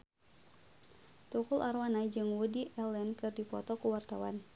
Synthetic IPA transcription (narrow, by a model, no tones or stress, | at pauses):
t̪ukulʔarwanad͡ʒɨŋwudiʔɛlɛnkɨrdipɔt̪ɔkuwart̪awa̰n